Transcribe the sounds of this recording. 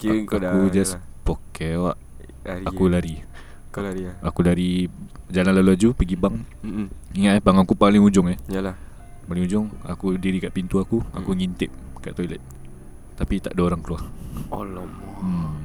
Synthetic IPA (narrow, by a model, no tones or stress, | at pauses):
akud͡ʒaspokɛwaʔ | akulaɾi | kakulaɾid͡ʒalanlaluad͡ʒupəɡibaŋ | iŋaʔɛhbaŋakupalɪŋud͡ʒʊŋɛhjal | palɪŋud͡ʒʊŋa̰kudiɾikaʔpint̪uakua̰kuŋint̪ɪp̚ka̰ʔt̪ɔilɛt̪̚ | t̪apit̪a̰ʔdaoɾaŋkəluaholm